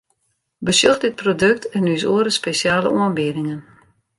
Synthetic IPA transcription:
bəsjoxdɪt̚prodøk̚tʰɛnysoəɾəspesjaːlə̰oənbɪədɪŋən

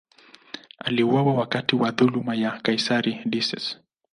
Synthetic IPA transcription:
aliuwawawakatiwaðulumajakaisaɾidisɛ̰s

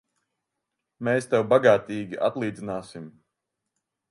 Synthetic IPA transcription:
meːst̪ɛwbaɡaːt̪iːɡʲiʔa̰t̪lˠiːd̪zinaːsim

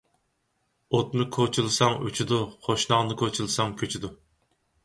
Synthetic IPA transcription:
ot̪̚nɨkʰot͡ʃʰulˠɨsɑŋy̰t͡ʃʰid̪uχʰoʃnɑʁnɨkʰot͡ʃʰulˠɨsɑŋkʲʰøt͡ʃʰid̪u

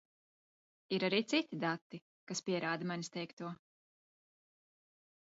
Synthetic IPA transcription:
iɾaɾiːt̪sit̪ʲid̪at̪ːi | kaspʲiɛɾaːd̪amanʲist̪ɛjkt̪uɔ

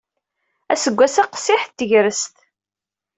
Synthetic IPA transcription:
æ̰səɡʷːæsæqsɪħt̪ːəʝɾəst̪

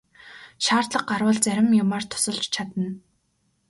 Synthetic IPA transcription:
ʃaːrt̪ɮə̆qɢarwə̆ːɮt͡sæɾʲɪ̆mjʊmaːrt̪ʰʊ̥sə̆ɮt͡ɕt͡ɕʰat̪ə̆n

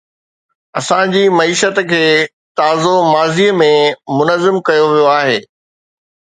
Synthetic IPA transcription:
ɐsãd͡ʑiːmɐiːʃət̪kʰeː | t̪aːzomaːziːəmẽmʊnəzɪmkɐjoʋijoaːɦeː

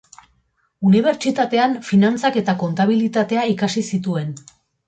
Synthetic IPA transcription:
uniβ̞e̞ɾt͡ʃit̪at̪e̞anfinant͡sake̞t̪ako̞nt̪aβ̞ilit̪at̪e̞aikasisit̪ue̞n

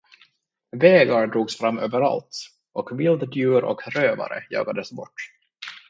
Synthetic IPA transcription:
veːɡaɾɖɾuːɡsfɾamːøːvəɾa̰lt̪ | ʔɔkvɪld̪d̪jʉ̟ːɾɔ̰kʰɾøːva̰ɾə̰jɑ̰ːɡad̪əsbɔʈː

